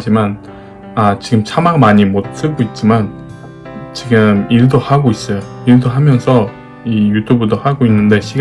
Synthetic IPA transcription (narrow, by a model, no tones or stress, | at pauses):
d͡ʑiman | at͡ɕiɡɯmt͡ɕʰamaɡmaɲimot̚s͈ʰɯɡoit̚t͡ɕ͈iman | t͡ɕiɡɯmiɭdohaɡois͈ʌjoiɭdoɦamjʌnsʰʌ | ijutʰubudohaɡoinːɯnde̞ɕʰiɡ